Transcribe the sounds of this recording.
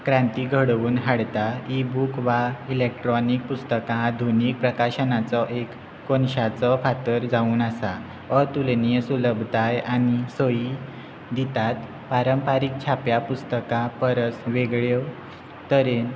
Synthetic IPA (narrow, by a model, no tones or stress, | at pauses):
kɾãnt̪iːɡʱəɽʋuːnɦaɽt̪aibukʋailek̚ʈɾɔnik̚pust̪əkãd̪ʱuniːk̚pɾəkaɕənat͡sɔʔekː | onɕat͡sɔfat̪əɾd͡zauːnasa | ət̪ulnijəsuləbʱd̪ʱajanisoji | d̪it̪at̪ | paɾəmpaɾik̚t͡ɕʰapjapust̪əkãpəɾət͡sʋeɡɭew | t̪əɾen